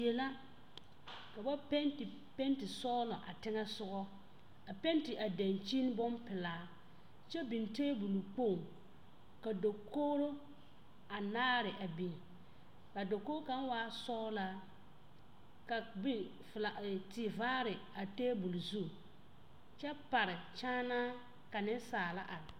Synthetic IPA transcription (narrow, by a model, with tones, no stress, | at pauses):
ɛ˨la˦ | ka˨ba˦pɛ˦nt | pɛ˦n˦tɪ˨sɔː˦lɔ˨ʔa̰˨tɪ˦ŋɛ˦sʊ˦ɡɔ˦ | a˨pɛ˦ntɪ˨ʔa˨da˨nt͡ʃi˦n˦bɔ˦npɪ˨laː˨˦ | t͡ʃɛ˦bi˨nteː˦bu˨lu˨k͡po˦˨ŋ | ka˨do˨koː˦ɾo˦ | a˨naː˦ɾɪ˨ʔa˨bi˨n˨ | ka˨do˨koː˦ka˨˦n˦waː˦sɔː˦la˦ | ka˨bi˦ | fla˨tɪ˨vaː˦ɾɪ˨ | a˨teː˦bu˨lu˨zu˦˨ | t͡ʃɛ˦pa˨ɾɪ˨t͡ʃaː˦naː˦ | ka˨nɪ˦nsaː˨la˦ʔa˨ɾ